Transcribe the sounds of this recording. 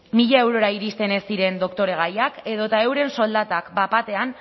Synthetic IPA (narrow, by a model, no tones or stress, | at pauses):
miʎae̞wɾo̞ɾaiɾist̪e̞ne̞siɾe̞nd̪o̞kt̪o̞ɾe̞ɣ̞ajake̞ðo̞t̪ae̞wɾe̞nso̞ld̪at̪akbapat̪e̞an